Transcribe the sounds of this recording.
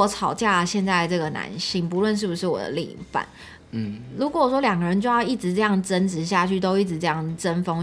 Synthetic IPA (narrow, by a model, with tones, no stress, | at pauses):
ɔ˧˥t͡sʰɑ˨˩ʊt͡ɕja˥˩ə˩ɕjɛ˥˧nt͡sa˥ɪə˩ʈ͡ʂɤ˥˩ɡə˩na̰˧˥nɕi˥˩ŋpu˧˥lwə˥˧nʂ̬ɻ̩˥˩bu˨˩ʂɻ̩˥˩wɔ̰˨˩d̪ə̰˦lḭ˨˩ŋfa̰˥˩˦n | ɻu˧˥kwɔ˧˩˨ʂwɔ˥ljɑ˨˩ŋɡə˦˩ɻə˧˦nt͡ɕjo˥˧jɑ˥˧ʊi˥˩ʈ͡ʂɻ̩˧˥ʈ͡ʂɤ˥˧jɑ˥˩ŋʈ͡ʂə˦˥nʈ͡ʂɻ̩˧˥ɕ̬ja˥˧t͡ɕʰy˥˩t̪o˥ʊi˥˩ʈ͡ʂɻ̩˧˥ʈ͡ʂɤ˥˧jɑ˥˩ŋʈ͡ʂə˦˥nfo˥ŋ